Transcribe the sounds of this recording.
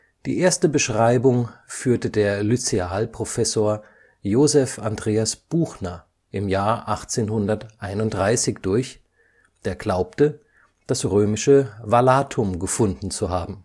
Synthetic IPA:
d̥ḭːʔeːɐstəbəʃʁ̥aɪbʊŋfyːɐtədeːɐlyt͡seaːlpʁ̥ofɛsoːɐ | joːzɛfandʁeːasb̥uːxnɐ | ʔɪmjaːɐʔaχt͡seːnhʊndɐtʔaɪnʊnt̚d̥ʁaɪsɪçd̥ʊɐç | d̥eːɐɡlaʊp̚tə | d̥asʁøːmɪʃəvalaːtʰʊmɡəfʊndn̩t͡suɦaːbm̩

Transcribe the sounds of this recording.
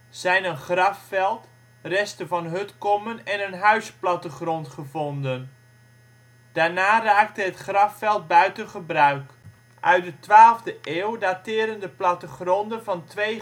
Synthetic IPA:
z̥ɛjnənχrɑffɛlˠt | rɛstəvɑnɦɵtkɔmənɛnənɦœɥsplɑtəχrɔntχəvɔndən | d̥aːɹnaːraːk̚təɦətχrɑffɛlˠt̚bœɥtənχəbrœɥk | ʔœɥt̚dətʋaːlˠvdəʔeːwdatɪːɾəndəplɑtəχrɔndənvɑntʋej

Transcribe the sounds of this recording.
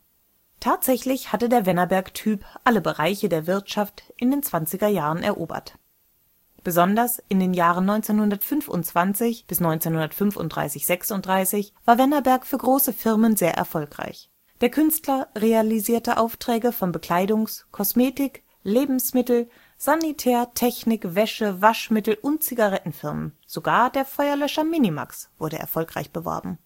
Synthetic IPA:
tʰaːtz̥ɛçlɪçhatədeːɐvɛnɐbɛɐktʰyːpʔaləbəʁaɪçədeːɐvɪɐtʃaftʔɪndeːnt͡sv̥ant͡sɪɡɐjaːʁənʔɛ̰ɐʔoːbɐ̰t | b̥əzɔndɐsʔɪndeːnjaːʁ̞ənːɔʏnt͡seːnhʊndɐtfʏnfʊ̰ntt͡sv̥ant͡sɪçb̥ɪsnɔʏnt͡seːnhʊndɐtfʏnfʊ̰nt̚d̥ʁa̰ɪsɪçz̥ɛksʊntd̥ʁaɪsɪçv̥aːɐvɛnɐbɛɐkfyːɐɡʁoːsəfɪʁmənzeːɐʔɛ̰ɐfɔlkʁ̥a̰ɪç | d̥eːɐkʰʏnstlɐʁealiziːɐtəʔa̰ʊftʁ̥ɛːɡəfɔnbəkl̥aɪdʊŋskʰɔsmeːtɪk | leːbm̩smɪtl̩ | z̥anitʰɛːɐtʰɛçnɪkvɛʃəvaʃmɪtl̩ʔʊnt̚t͡siɡaʁɛtn̩fɪɐmə̰n | z̥oɡaːɐdeːɐfɔʏɐlœʃɐminima̰ksv̥ʊɐɾəʔɛ̰ɐfɔlkʁ̥a̰ɪçb̥əvɔ̰ɐbm̩

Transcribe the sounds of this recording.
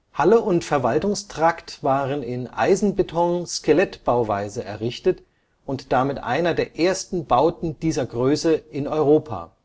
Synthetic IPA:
haləʊntfɛɐvaltʊŋstʁ̥aktv̥aːʁənɪnʔa̰ɪzn̩betʰɔŋskəlɛtb̥aʊva̰ɪzəʔɛɐʁɪçtət | ʊntd̥amɪtʔa̰ɪnɐdeːɐʔeːɐstn̩baʊtn̩d̥iːzɐɡʁøːsəɪnɔʏʁoːpʰa̰ː

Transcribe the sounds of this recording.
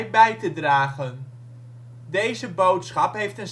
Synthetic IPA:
jbɛjtədraːχən | dejzəbowtsχɑpɦejftən

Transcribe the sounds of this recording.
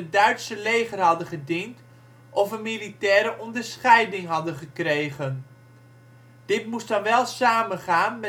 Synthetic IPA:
ədœɥtsəlejχərɦɑdəχədint | ʔɔfəmilitɛːɾəʔɔndərsχɛjdɪŋɦɑdəχəkrejɣən | d̥ɪtmusdɑnʋɛlˠsaːməχaːnmɛ

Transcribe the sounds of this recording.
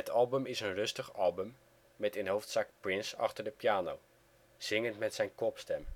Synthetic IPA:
ɦətʰɑlˠbəmɪsənrɵstəχɑlˠbəmː | ɛtɪnɦowftsɑkprɪnsɑχtəɹdəpijaːnow | z̥ɪŋəntmɛtsɛjnkɔpstɛm

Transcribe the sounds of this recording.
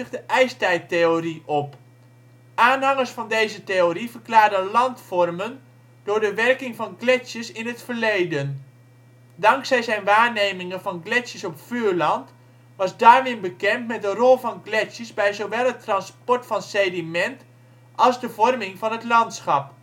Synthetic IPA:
χdəʔɛjstɛjteoriʔɔp | ʔaːnɦɑŋəɹsfɑndejzəteorivərklaːrdənlɑntfɔrmən | dʊːɹdəʋɛrkɪŋvɑnklɛsjəsɪnɦətfərlejdən | dɑŋksɛjzɛjnʋaːɹnejmɪŋənvɑnɡlɛsjəsɔpfyːɹlɑnt | ʋɑzdaːrʋɪnbəkɛntmɛt̚dərɔlˠvɑnɡlɛsjəsbɛjzoʋɛlˠɦətrɑnspɔɹtfɑnsejdimɛnt | ʔɑlˠzdəvɔrmɪŋvɑnɦətlɑntsχɑp

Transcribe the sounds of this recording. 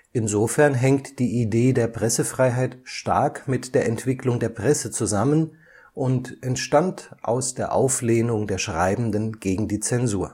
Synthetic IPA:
ʔɪnzofɛɐnɦɛŋktd̥iːʔideːdeːɐpʁ̥ɛsəfʁ̥aɪɦaɪtʃta̰ɐkmɪtd̥eːɐɛntv̥ɪklʊŋdeːɐpʁ̥ɛsət͡suzamən | ʔʊntʔɛntʃtantʔa̰ʊsd̥eːɐʔaʊfleːnʊŋdeːɐʃʁ̥aɪbm̩dənɡ̥eːɡŋ̩diːt͡sɛnzuːɐ

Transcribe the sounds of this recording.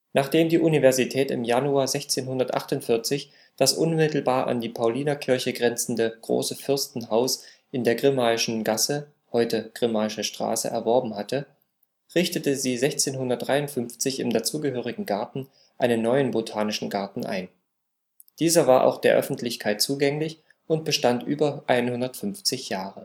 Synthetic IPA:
naːχd̥eːmdiːʔunivɛɐzitʰɛːtɪ̰mjanuaːɐzɛçt͡seːnɦʊndɐtʔa̰χtʊntfɪɐt͡sɪç | d̥asʔʊnmɪtl̩baːɐʔa̰ndiːpʰaʊliːnakʰɪɐçəɡʁɛnt͡sn̩dəɡ̥ʁo̰ːsəfʏɐstn̩haʊs | ʔɪndeːɐɡʁɪmaːɪʃn̩ɡasə | hɔʏtəɡ̥ʁɪmaːɪʃəʃtʁ̥a̰ːsə̰ʔɛ̰ɐvɔɐbm̩hatə | ʁɪçtətəziːzɛçt͡seːnhʊndɐt̚d̥ʁaɪʊntfʏnft͡sɪçɪmdat͡suːɡəɦøːʁ̞ɪɡŋ̩ɡaɐtn̩ | ʔaɪnənːɔʏənbotʰaːnɪʃn̩ɡaɐtn̩ʔa̰ɪn | d̥iːzɐvaːɐʔa̰ʊxd̥eːɐʔœ̰fn̩tʰlɪçkʰaɪt̚t͡suːɡɛŋlɪç | ʊnt̚b̥əʃtantʔyːbɐʔaɪnhʊndɐtfʏnft͡sɪçjaːʁə

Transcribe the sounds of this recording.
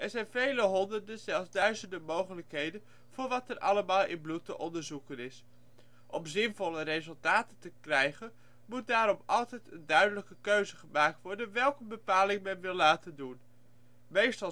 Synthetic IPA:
ʔɛɹzɛjnvejləɦɔndərdənzɛlˠzdœɥzəndəmowχələkɦejdən | v̥ʊːɹʋɑtɛrʔɑ̰ləmaːlˠʔɪ̰nblutə̰ʔɔndəɹzukənɪs | ʔɔmzɪnvɔləɾejzɵlˠtaːtətəkrɛjχən | mut̚daːɾɔmɑlˠtɛjtəndœɥdələkəkøɥzəχəmaːk̚tʋɔɹdənʋɛlˠkəbəpaːlɪŋmɛnʋɪlˠlaːtəndun | mejstɑ

